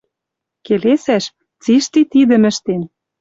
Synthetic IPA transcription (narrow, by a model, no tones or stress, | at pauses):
kelesæʃ | t͡siʃt̪it̪id̪ə̆mɘ̆ʃt̪en